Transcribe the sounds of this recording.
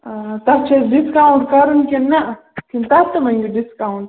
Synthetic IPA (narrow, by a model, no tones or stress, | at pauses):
t̪ɐɾt͡ʃʰeɖiskawuɳʈkɐɾunkʲenːɐ | kint̪at̪ːɐmɐŋɡiɖiskawɳʈ